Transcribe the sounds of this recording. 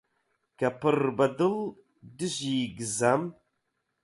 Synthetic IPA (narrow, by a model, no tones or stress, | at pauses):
kɐpɨrbɐdɨl | dɨʑiːɡɨzam